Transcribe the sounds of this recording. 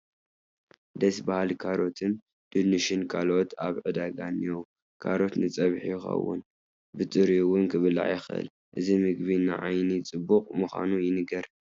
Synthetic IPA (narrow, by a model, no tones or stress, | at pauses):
d̪ɐsbahalkʰaɾo̞t̪ʰɨn | d̪̥ɨnɨʃɪnkʰalo̞t̪ʰaβʕɨd̪aɡaniw | kʰa̰ɾo̞t̪nɨt͡sʼɐβħijɪxɐ̰wʊ̰n | bɨt̪ʼɨɾiwʊnkʰɨβɨla̰ʕjɪxɨ̰l | ʔɨzimɨɡbinɨʕajnit͡sʼɨbːukʼmɨxʷa̰nujɪnɨɡɐɾ